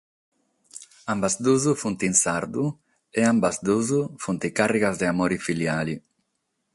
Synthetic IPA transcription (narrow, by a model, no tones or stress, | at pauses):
ambazd̪uzufunt̪insaɾd̪u | eambazd̪uzufunt̪ikareɣazd̪eamoɾifiljali